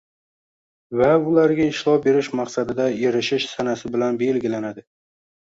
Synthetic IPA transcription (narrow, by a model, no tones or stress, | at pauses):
vaʊlaɾɡʲaɪʃlˠɒbe̞ɾɪʃmaqsad̪ɪd̪aeɾɪʃɪʃsanasɪbɪlanbe̞lɡʲɪlanad̪ɪ